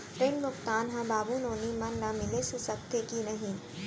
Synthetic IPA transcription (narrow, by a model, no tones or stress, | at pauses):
fɾẽɳɖmʊkt̪aːnɦãbaːbunõːnimɐnːɐmɪlesusɐkt̪ʰekinɐɦĩ